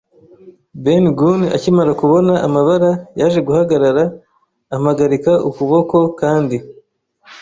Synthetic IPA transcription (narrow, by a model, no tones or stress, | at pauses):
benɡuna̰cimaɾakuβo̞naʔːmaβaɾajaʒe̞ɡuhaɡaɾaɾaː | maɡaɾikaukuβo̞ko̞kaːndi